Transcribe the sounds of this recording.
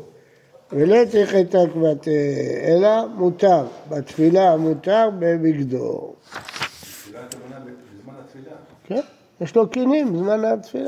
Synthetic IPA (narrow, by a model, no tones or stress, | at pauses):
velot͡sʁiχet̪akvat̪eelamut̪aʁbat̪filamut̪aʁbembiɡd̪o̰l | ken | jeʃlokinimbzmanat̪fila